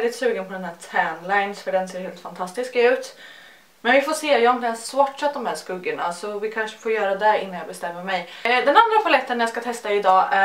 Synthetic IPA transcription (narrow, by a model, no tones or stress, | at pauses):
ld̪ɪt̪sʉ̟ːɡənpʰɔd̪ɛnɦæːtʰænlajnsfœɖɛnseːɾheːlt̪fant̪ʰast̪ɪskaʉ̟ːt̪ | mɛnvɪfoːseːjɑːnɪɛnsːwɔʈʂɛt̪̚d̪ɔmhæːskɵɡːəɳasɔvɪkʰanʂə̥foːɾjœːɾad̪ɛɪnːanjɑːbɛst̪ɛmːəɾmɛjd̪ɛnand̪ɾafʰalɛt̪ːənjɑːskat̪ʰɛst̪aɪd̪ɑːʔæ